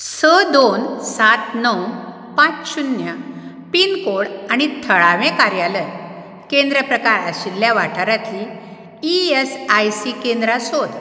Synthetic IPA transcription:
səd̪onsat̪nəw | pãt͡sɕunːja | pinkoɽaɽ̃it̪ʰəɭaʋẽkaɾjaləj | kend̪ɾəpɾəkaɾa̰ɕilːjaʋaʈʰaɾat̪ʰiː | esajsikend̪ɾasod̪

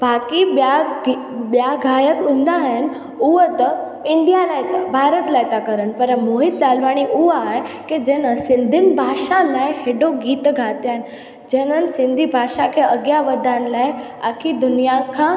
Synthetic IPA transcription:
baːkiba | bjaɡʱaːjəkʊ̃nd̪aɦən | uʋət̪ə | ɪɳɖijalajt̪abʱaːɾət̪lajt̪akəɾənpəɾmoːɦɪt̪laːlʋaɽ̃iʔuʋae | ked͡ʑeːnəsɪ̃nd̪ʱɪnbʱaːʃalaːjheɖoɡiːt̪ɡʱat̪jaɦen | d͡ʑeːnənsɪ̃nd̪ʱibʱaːʃakʰeəɡjaʋəd̪ʱãnlajakʰid̪ʊnijakʰã

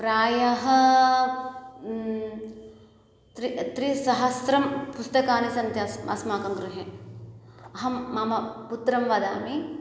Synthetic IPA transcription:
pɾaːjɐɦɐ | t̪ɾit̪ɾisɐɦɐsɾɐmpust̪ɐkaːnisɐnt̪jɐsɐ̰smaːkɐmɡɾuɦeː | ɐɦɐːɐːmɐput̪ɾɐmʋɐd̪aːmi

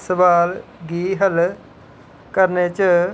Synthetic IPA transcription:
səʋaːlɡiːɦəl | kəɾneːt͡ʃə

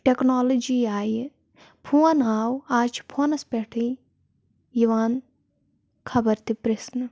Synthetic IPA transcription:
ʈeknaːlod͡ʒiaːj | pʰuɐnaːwaːt͡ʃʰpʰuɐnɐspɛʈʰi | jiʋaːn | kʰɐbɐɾt̪ipɾesnɨ

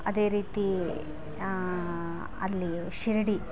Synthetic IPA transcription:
ɐd̪e̞ːɾiːt̪i | ɐ̰lːi | ʃiɾiɽi

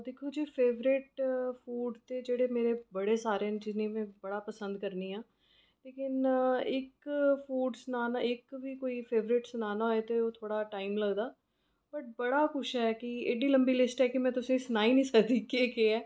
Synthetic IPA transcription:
d̪eːkʰoːd͡ʒiːpʰeːʋɾɪʈpʰuːɖt̪eːd͡ʒeːɽeːmeːɾebəɽeːsaːɾened͡ʒɪzniːmɛ̃ːbəɽaːpəsə̃nd̪kəɾniːãː | leːkɪnɪkfʰuːɖsʊnaːnaːɪkʋiːkoːiːpʰeːʋɾɪʈsʊnaːnaːeːt̪eoːt̪ʰoːɽaːʈaːimləɡd̪aː | bəʈ̚bəɽaːkʊʃɦɛːkɪeːɖiːləmbiːlɪsʈɦɛːkɪmɛ̃ːt̪ʊsẽːsʊnaːiːnĩːsəkd̪iːkeːkeːɛː

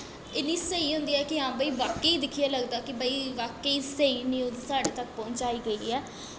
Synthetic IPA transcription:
ɪniːsəiːɦʊ̃nd̪iːɛːkɪɦãːbəiːʋaːkːeiːd̪ɪkʰiːaːləɡd̪aːkɪbəiːʋaːkːeiːsəiːniːʊzsaːɖeːt̪ək̚pɔ̃ːɲt͡ʃaːiːɡəiːɛː

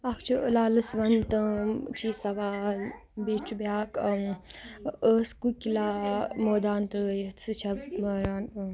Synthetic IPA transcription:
akʰt͡ʃʰiəlaːlɨsʋɐnt̪ɨt͡ʃʰisɐʋaːlbeːt͡ʃubjaːk | əskukʲilaːmoːd̪aːnt̪jɐt͡sɨt͡ʃʰɐməɾaːn

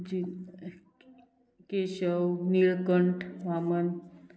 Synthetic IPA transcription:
d͡ʑi | keɕəwniɭkəɳʈʋamən

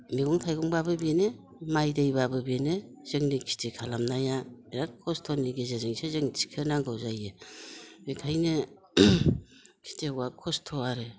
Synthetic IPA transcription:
miɡɔŋtʰajɡuŋbabɯbene | majdɯjbabɯbenɯ | z̥ɯŋnikʰi̥tʰikʰalamnajaeɾakʰɔstʰoniɡezezɯŋsezɯŋt͡ʃi̥kʰɯnaŋɡɯwzaje | mekʰajnɯ | kʰi̥tʰewakʰɔstʰoaɾɯ

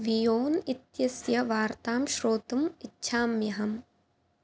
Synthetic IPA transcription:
ʋijoːnit̪jɐsjɐʋaːɾt̪aːmʃɾoːt̪ɐmitːʃʰaːmjɐɦɐm

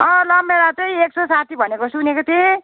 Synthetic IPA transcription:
ʌlʌmeɾat̪ʌjeksosat̪ʰibʱʌnekosunekot̪ʰe

